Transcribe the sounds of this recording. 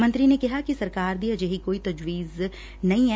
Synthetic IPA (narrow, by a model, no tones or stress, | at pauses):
mə̃nt̪ɾinekɪɦakisɐɾkaːɾd̪iɐd͡ʒeɦikoːit̪ɐd͡ʒwiːz | nɐĩɛ